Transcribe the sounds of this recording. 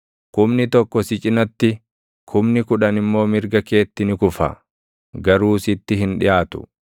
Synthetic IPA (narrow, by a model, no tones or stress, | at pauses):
kʊmnɪt̪ɔkːɔsɪt͡ʃʼɪnɐt̪ːɪ | kʰʊmnɪkʊᶑɐnɪmːo̞ːmɪɾɡɐke̞ːt̪ːɪnɪkʊfɐ̰ | ɡɐɾuːsɪt̪ːɪɦɪnᶑɪjʔaːt̪ʊ̥̰